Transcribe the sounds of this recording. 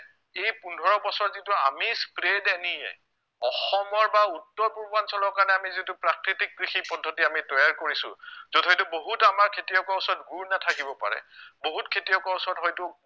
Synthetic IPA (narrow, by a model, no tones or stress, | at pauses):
ejpundʱɔɹɔbɔsɔɹzitua̰mispɹedɛnijɛ̰ | ɔxɔmɔɹbautːɔɹpuɹbansɔlɔɹkaɹnɛamizitʊpɹakɹitik̚ɡɹixipɔdʱːɔtiamitɔjaɹkoɹisʊ̰̃zɔdɦɔjtuboɦutamaɹkʰetiɔkɔɔsɔɹɔtɡuɹnatʰakibɔpa̰ɹɛ̰boɦutkʰetiɔkɔɔsɔɹɔtɦɔjtʊ